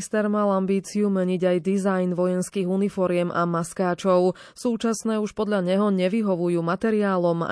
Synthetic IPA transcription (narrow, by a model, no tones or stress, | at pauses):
st̪ɛɾmalambiːt͡siumɛɲiɟajd̪izajnʋɔjɛnskiːɣunifɔɾɪɛma̰maskaːt͡ʃɔʊ | suːt͡ʃasnɛːuʃpɔd̪ʎaɲɛɦɔɲɛʋiɦɔʋujuːmat̪ɛɾiaːlɔma̰